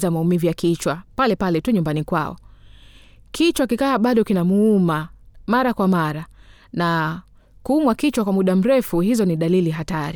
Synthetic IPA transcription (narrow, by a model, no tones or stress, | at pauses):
zamaumivijakit͡ʃwapalɛpalɛtuɲumbanikwa̰ɔ̰ | kit͡ʃwakikaːɓaɗɔkinamuumamaɾakwamaɾa | na | kuːmwakit͡ʃwakwamuɗam̩ɾɛfuhizɔniɗaliliɦataɾi